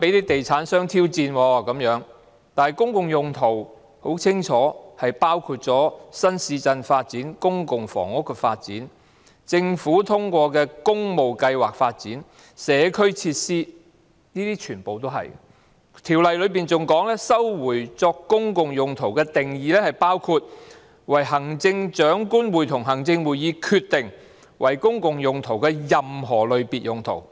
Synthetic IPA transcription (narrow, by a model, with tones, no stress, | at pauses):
pe˨˥jneː˥t̪e˨jt͡sʰaː˨˥nsœː˥ŋt̪ʰiː˥wt͡siː˧nwɔː˧kɐ˨˥mjœː˨˥ŋ | t̪aː˨nhɐ˨˩jkʊ˥ŋkʊ˨ŋjʊ˨ŋt̪ʰo˨˩w | ho˨˥wt͡sʰɪ˥ŋt͡ʃʰɔː˨˥hɐ˨jpaː˥wkʰuː˧t̚t͡sɔː˨˥sɐ˥nsiː˧t͡sɐ˧nfaː˧t̚t͡siː˨˥nkʊ˥ŋkʊ˨ŋfɔ̰ː˨˩ŋʊ˥kːɛ˧faː˧t̚t͡sḭː˨˥n | t͡sɪ˧ŋfuː˨˥t̪ʰʊ˥ŋkʷɔː˧kɛː˧kʊ˥ŋmo˨wkɐ˧jwa̰ː˨˩k̚faː˧t̚t͡siː˨˥n | sɛː˨˧kʰɵ˥ɥt͡sʰiː˧t̚siː˥ | niː˥t̪iː˥t͡ʃʰyː˨˩npo˨wt̪o˥wɦɐ̰˨j | t̪ʰiː˨˩wlɐ˨jlɵ˨˧ɥpiː˨nt͡sʊ˨ŋkɔː˨˥ŋlɛː˥sɐ˥wwuː˨˩jt͡sɔː˧kːʊ˥ŋkʊ˨ŋjʊ˨˩ŋt̪ʰo˨˩wkɛː˧t̪ɪ˨˩ŋjiː˨˧lɛː˥hɐ˨jpaː˥wkʰu˧t̚ | wɐ˨˩jɦɐ˨˩ŋt͡sɪ˧ŋt͡ʃœː˨˥ŋkuː˥nwuː˨˩jt̪ʰʊ˨˩ŋɦɐ˨˩ŋt͡sɪ˧ŋwuː˨˩jjiː˨˧kʰyː˧t̪ɪ˨ŋ | wɐ˨˩jkʊ˥ŋkʊ˨ŋjʊ˨ŋt̪ʰo˨˩wkɛː˧jɐ˨mɦɔː˨˩lɵ˨˧ɥpiː˨t̚jʊ˨ŋt̪ʰo̰˨˩w